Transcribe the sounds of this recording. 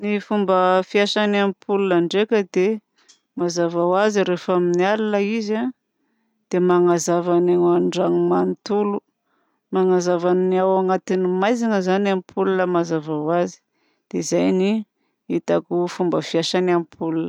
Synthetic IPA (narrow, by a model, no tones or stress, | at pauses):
nifumbəfiaʃanampʰulunaɳɖ͡ʐekʲəd̪e | mazavawaziɾefaminialunəiza | d̪̥emaŋazavanaŋaɳɖ͡ʐaŋimant̪ulu | maŋazavanniawaŋat̪inimajziŋəzanampʰulunəmazavawazi̥ | d̪̥ezajni | it̪akufumbəfiaʃanampʰulunə